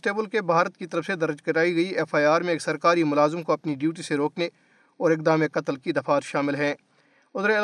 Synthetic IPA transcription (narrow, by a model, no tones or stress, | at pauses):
ʈeːbəlkebʱaːɾət̪kit̪ɐɾəfsed̪ɐɾd͡ʒkɐɾaːiɡɐiʔɛfaːjaːɾmẽeːksɐɾkaːɾimʊlaːzɪmkoɐpniɖjuːʈ̬iseɾoːkne | ɔːɾɪk̚d̪aːmekɐt̪əlkid̪ɐfaːt̪ʃaːmɪlɦɛ̃ː | ʊd̪ɾe